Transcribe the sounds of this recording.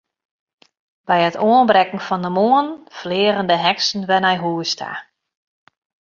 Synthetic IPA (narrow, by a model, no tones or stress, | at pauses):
b̥ɛjətʰoənbrɛkŋ̩fɔndəmoənflɪərəndəɦɛksn̩ʋɛnɛjɦuəstʰa̰